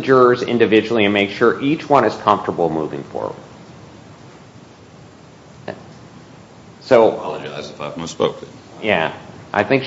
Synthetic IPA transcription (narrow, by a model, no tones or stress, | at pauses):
d͡ʒʊɹzɪ̰̃ndɨvɪd͡ʒl̩ˠiɨ̃nmeɪkʃʊɹʔit͡ʃwʌ̃ɾ̃ɨz̥kʰʌ̃ɱftə˞bl̩ˠmuvɪ̰̃ŋfə̰˞ | soʊɑlˠəd͡ʒaɪzɨfaɪvʌ̃spoʊk̚ɨ | jæʔa̰ɪθɪ̃ŋk